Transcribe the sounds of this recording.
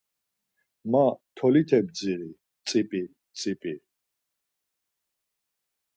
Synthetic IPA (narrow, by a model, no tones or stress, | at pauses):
mat̪ʰɔlit̪ʰɛb̚d͡ziɾi | t͡sʼipʼi | t͡sʼipʼi